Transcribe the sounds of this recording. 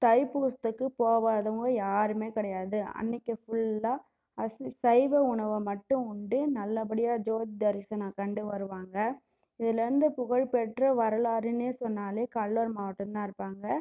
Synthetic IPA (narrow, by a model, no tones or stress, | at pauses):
t̪ɐɪpuːst̪ɯkːɯpoːʋaːðɐʋɯŋɡɐjaːɾɯmeːkɪɽɐjaːðɯɐ̰nːɪkːɯfʊɭːaː | ɐssɐɪʋɐʊɳɐʋɯmɐʈːɯ̃ʊɳɖɯnɐlːɐbɐɽɪjaːd͡ʒoːd̪d̪ɐɾɪsɐnaːkɐɳɖɯʋɐɾɯʋaːŋɡɐ | ɪðɪlɐɾɯnd̪ɯpʊɣɐɻpɛʈrɐʋɐɾɐlaːɾɪneːsɔnːaːleːkɐɭːɐɾmaːʋɐʈːɐ̃t̪ãːɪɾɯpːaːŋɡɐ